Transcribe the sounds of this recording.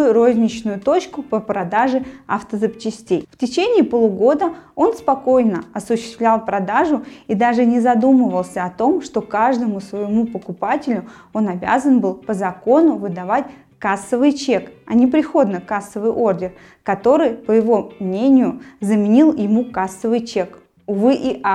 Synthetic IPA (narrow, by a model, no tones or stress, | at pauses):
jʊɾo̞zʲnʲɪt͡ɕnʊjʊt̪o̞t͡ɕkʊpəpɾɐd̪aʐɨɐ̰ft̪əzɨpt͡ɕɪsʲtʲejftʲɪt͡ɕenʲɪːpolˠuɡo̞d̪əo̞nspɐko̞jnəɐsʊɕːɪst̪vlʲalˠpɾɐd̪aʐʊid̪aʐɨnʲɪzɐd̪uməvəlˠsʲəɐt̪o̞mʂt̪o̞kaʐd̪əmʊsvəjɪmupəkʊpatʲɪlʲʊ | o̞nɐbʲa̰zənbɨlˠpəzɐko̞nʊvɨd̪ɐvatʲ | kasːəvɨjt͡ɕe̞kɐ̰nʲɪpɾʲɪxo̞d̪nəkasːəvɨjʔo̞rdʲɪr | kɐt̪o̞ɾɨjpəjɪvo̞mnʲenʲɪjʊzəmʲɪnʲilˠjɪmukasːəvɨjt͡ɕe̞k | ʊvɨʔiʔa